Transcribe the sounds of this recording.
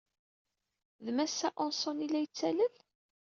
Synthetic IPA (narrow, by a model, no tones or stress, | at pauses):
ðmæsːæʔɔnsˤɔnilæjət͡sːæləl